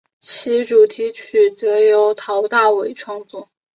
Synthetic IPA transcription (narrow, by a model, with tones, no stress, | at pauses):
t͡ɕʰi˧˥ʈ͡ʂu˨˩t̪ʰi˧˥t͡ɕʰy˨˩t͡sɤ˧˥jo˧˥ʊt̪ʰɑ˧˥ʊt̪a˥˩we˨˩ɪʈ͡ʂʰwɑ˥˧ŋt͡swɔ˥˩